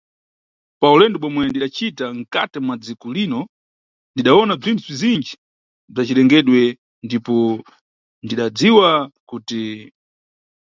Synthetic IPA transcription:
paulɛndɛɓɔmwɛndiɗat͡ʃitaŋ̩katɛmwad͡zikulinɔ | ndiɗaɔnab͡ʐintʰub͡ʐizind͡ʒi | b͡ʐat͡ʃilɛŋɡɛɗwɛ | ndipɔ | ndiɗad͡ziwakuti

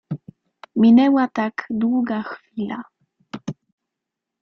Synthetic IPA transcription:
mʲinɛwat̪akd̪wuɡaxfʲila

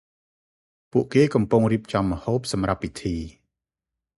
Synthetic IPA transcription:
puəʔkeːkɑmpuŋriəp̚t͡ɕɑmːəhoːp̚sɑmrapːit̪ʰiː

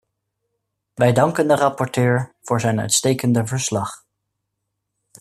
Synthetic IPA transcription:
ʋɛjdɑŋkəndərɑpɔɹtøːɹv̥ʊːɹzɛjnœ̰ɥtstejkəndəvəɹslɑχ

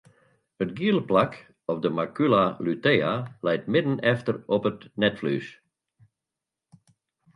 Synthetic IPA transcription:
ətɡiəlˠəplak | ɔpdəmakylalyteːalɛjtmɪdn̩ɛftərɔpətnɛtfly̰s

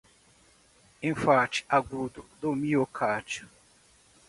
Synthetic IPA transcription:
ẽfat͡ʃi̥aɡud̪ʊd̪omiokʰad͡ʒʊ

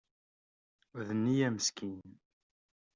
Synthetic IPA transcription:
ʊðənːijæməskinn

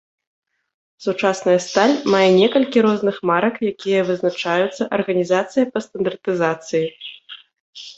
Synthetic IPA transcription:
sut͡ʂasnɐjɐst̪alʲmajɛnʲɛkɐlʲkʲiɾɔznɨxmaɾɐkjakʲijɐvɨznat͡ʂajut̪sːɐʔɐrɣɐnʲizat̪sɨjɐpɐst̪ɐnd̪ɐrt̪ɨzat̪sɨji

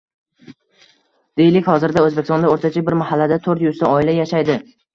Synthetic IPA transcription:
d̪̥ejlɪkʲhɒzɪɾd̪aɵzbekʲɪst̪ɒnaoɾt̪ʰat͡ʃʰabɪɾmahalːad̪at̪ʰɵɾt̪jʊzt̪aɒɪlajaʃajd̪ɪ

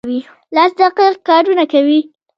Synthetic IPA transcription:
wi | lasd̪aqiq̚kɑːɾunakawi

